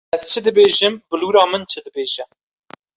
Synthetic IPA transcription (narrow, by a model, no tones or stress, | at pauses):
ɛz̥t͡ʃʰɨd̪ɨbeːʒɨmb̥ɨluːɾɑːmɨnt͡ʃʰɨd̪ɨbeːʒɛ